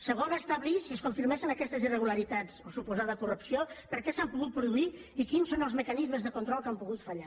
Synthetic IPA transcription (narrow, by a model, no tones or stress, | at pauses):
səɣonast̪aβlisiəskuɱfiɾmɛʃənəkɛst̪əzirəɣ̞uləɾit̪at͡sosupuzaðəkurupsiopəɾkɛsampuɣut̪̚pɾuðuiikinsonəlˠzməkənizməzðəkunt̪ɾɔlˠkampuɣut̪fəʎa